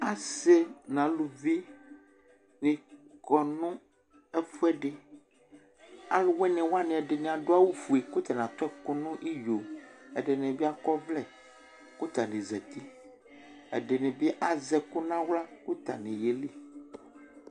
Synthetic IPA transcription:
a˨se˦nã˨lu˨vi˦ | nĩ˨kɔ˨nũ˦ | ɛ˦fu˦ɛ˦ɖe˨ | a˦lo˦wɛ˦nɛ̃˨wa˦nɛ̃˨ɛ˨ɖe˨nẽ˨a˨ɖo˦a˦wu˦fu˨e˨ko˦t̪ɛ˨nã˨t̪ɔ˦ɛ˦ko˦nũ˦ʔi˦jo˨e˨ɖe˨nɛ̃˨bi˦a˨kɔ˦vlɛ˦ | ku˦t̪a˨nẽ˨zɛ˨t̪i˦ | ɛ̰˨ɖe˨nɛ̃˨bi˦ʔa˨zɛ˨ku˦nã˦wla˦ku˦t̪a̰˨nɛ̃˨je˨li˦

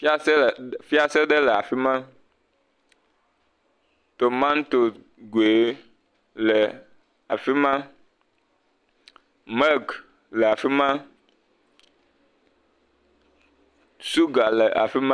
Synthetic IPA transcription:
fi˦a˦sɛ˦˨fi˦a˦se˦ɖɛ˦lɛ˨a˨fi˦mã˦ | t̪o˨mã˦n˦t̪o˨ | ɡe˨˦ | lɛ˨ | a˨fi˦mã˦ | mɛ˦lk | lɛ˨a˨fi˦mã˦ | su˦ɡa˨lɛ˨ʔa̰˨fi˦mã˦

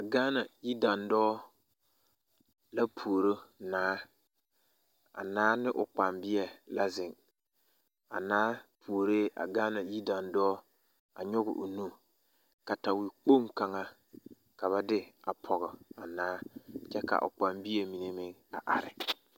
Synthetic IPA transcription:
a˨ɡaː˦na˨ji˦da˨ndɔː˦ | la˦pʰu˨o˨ɾo˦naː˦ | a̰˨naː˦nɪ˦ʔʊ˨k͡pa˨mbɪ˦ɛ˨la˦zɪ˨ŋ | a̰˨naː˦pʰu˨o˨ɾe˦ʔa̰˨ɡaː˦na˨ji˦da˨ndɔː˦ | a̰˨ɲɔ˦ɣʊ̰˨ʔʊ˨nu˦ | ka˨ta˨wi˨k͡po˦mka˨ŋa˦ | ka˨βa˦dɪ˦a˨pʰɔ˨ɣʊ˨a˨naː˦t͡ʃɛ˦ka̰˨ʔʊ̰˨k͡pa˨mbɪ˦ɛ˨mi˨ne˦mɪ˦ŋa˨ʔa̰˨ɾɪ˨

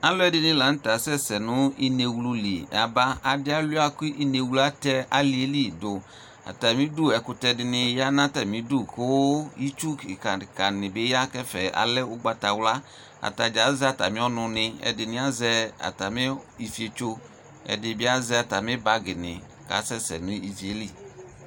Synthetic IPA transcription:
a˦lo˦ɛ˦dɪ˧nɪ˧la˨n̩˦ta˨sɛ˦˨sɛ˨nʊ˦i˦ne˧wlu˧li˨a̰˨ba˦a˨dɪ˦a˦lu˦a˦ku˦ʔi˦ne˧wla˦tɛ˧a˦li˧˦e˦li˦˨dʊ˨ | a̰˨ta˨mi˦du˦˨ɛ˨kʊ˧tɛ˧dɪ˧nɪ˧ja˦na˦tɛ˨mi˨˦du˦˨ko˦i˦t͡ʃu˦ki˨ka˨ka˨nɪ˨be˨˦ja˦kɛ˦fɛ˨a̰˨lɛ˦ʊ˦ɡ͡ba˧ta˨wla˦ | a̰˨ta˨d͡ʒa˨˦zɛ˦a˨ta˨mĩ˦ɔ˦nʊ˧nɪ˧ɛ̰˨dɪ˧nɪ˦a˦zɛ˧a̰˨ta˨mɪ˦i˧fi˦e˧t͡ʃo˧ | ɛ̰˨dɪ˧bɪ˦a˦zɛ˧a˨ta˨mɪ˦ba˧ɡɪ˨nɪ˨ | ka̰˨˦sɛ˦sɛ̰˨nʊ̃˦i˨fi˨e˨˦li˦˨

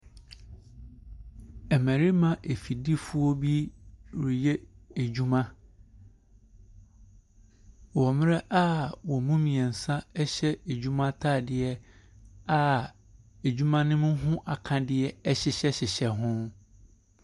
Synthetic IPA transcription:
ɛ˨mæ̃˨ɾi˦mã˨ʔe˨fi˨di˦fʊ˦ɔ˦bi˦ɾi˨jɛ˦e˨d͡ʑu˦mã˦ | wɔ˨mɪ̃˦ɾɛ˦ʔa˦wɔ˨mũ˦mĩ˨ɛ˨n̩˨sã˦ɛ˦ɕɛ˦e˨d͡ʑu˦mã˦tʰaː˦˨dɪ˦ɛ˦ | a˦˨ | e˨d͡ʑᶣu˦mã˦nɪ̃˦mʊ̃˦ɦʊ̃˦ʔa˨kʰã˨dɪ˦ɛ˦ɛ˦ɕɪ˦ɕɛ˦ɕɪ˨ɕɛ˨ɦʊ̃˦

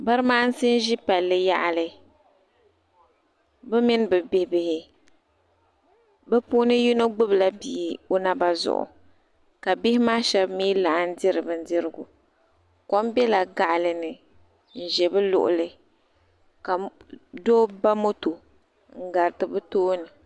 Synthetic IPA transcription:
ba˦ɾɨ˦maː˦n̩˦si˦n˦ʒi˦pa˨lːɨ˦ja̰˦ʔa˨lɨ˨ | bɛ˦mɪ˦n˦bɛ˨bɪ˦hbɪ˨hɪ˨ | bɛ˦pu˦nɨ˦ji˦no˦ɡ͡bɨ˦bla˦biː˨o˦na˦ba˦zʊ̰˨ʔʊ̰˨ | ka˨bɪ˦hɪ˦maː˦ʃɛ˦bmiː˦la˨ʔn̩˦dɪ˦ɾɨ˨bɨ˨n̩˦dɪ˦ɾɨ˦ɡʊ˨ | kɔ˦m˦bɛ˦la˨ɡa˨ʔlɨ˨nɨ˨ | n̩˨ʒɛ˨bɨ˦lʊ̰˨ʔʊ̰˨lɨ˨ | ka˨doː˦ba˦mo˦to˨ | ŋ̩˦˨ɡa˨ɾɨ˨tɨ˨bɨ˦toː˦nɨ˨

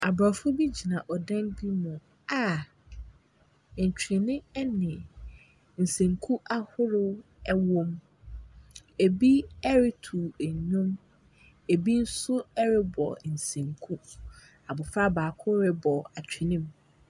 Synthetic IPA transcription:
a˨ba˨fʊ˦bi˦d͡ʑi˨nã˨ʔɔ˨dã˦nbi˦mɔ̃˨ | a˨ | n̩˨t͡ɕᶣʰɪ˨nɪ̃˦ɛ˦nɪ̃˨ | n̩˨sẽ˨ŋkʰu˦ʔa˦hʊ˦ɾʊ˦ | ɛ˦wõ˦m | e˨bi˦ɛ˦ɾɪ˦tʰu˨æ˨ɲũ˦m | e˨bi˦n̩˦sʊ˦ɛ˦ɾɪ˦bɔ̰˨n̩˨sẽ˨ŋkʰu˦ | a˨bʊ˨fa˦baː˨kʰʊ˦ɾɪ˦bɔ˨a˨t͡ɕᶣʰɪ˨nɪ̃˦m

